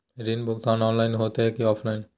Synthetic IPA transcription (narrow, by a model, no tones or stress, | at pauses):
ɾinbʱok̚t̪anɔnlajnɦot̪eekiɔpʰlajn